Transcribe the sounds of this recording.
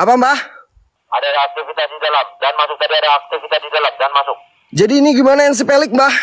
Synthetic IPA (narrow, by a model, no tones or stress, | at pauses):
ʔapambah | adaːk̚t̪ifit̪at̪̚it̪alad͡ʒaanmasʊk̚t̪adiadaːk̚t̪ifit̪asd͡ʒit̪alad͡ʒanmasʊk̚ | d͡ʒadiːniɡimanajaŋs̬əpelɪk̚mbah